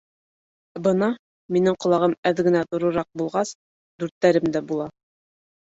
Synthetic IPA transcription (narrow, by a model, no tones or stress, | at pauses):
bɤnɑ | minɘŋqŏlˠɑʁɤmæðɡɘ̆næt̪ŏɾɤ̆ɾɑq̚bulˠʁɑs | d̪ʉɾt̪ːæɾɘmd̪æbulˠɑ